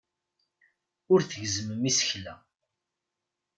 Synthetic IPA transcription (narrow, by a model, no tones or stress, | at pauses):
ʊɾθəʝzəməmisəçlæ